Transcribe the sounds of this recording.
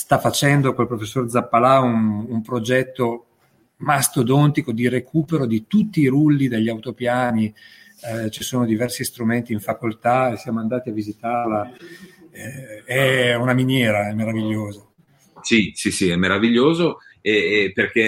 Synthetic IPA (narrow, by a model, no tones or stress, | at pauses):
st̪afːat͡ʃɛnd̪okolpɾofesːoːrd̪zapːalaunumpɾod͡ʒɛt̪ːo | mast̪od̪ont̪ikod̪irekuːpeɾod̪it̪ut̪ːiːɾulːid̪eʎːawt̪opjaːni | t͡ʃisoːnod̪ivɛrsist̪ɾument̪iːɱfakolt̪aesːjaːmoand̪aːt̪iavːizit̪arla | ɛɛunaminjɛːɾaɛmːeɾaviʎːoːza | sisisiɛmːeɾaviʎːoːzoɛperke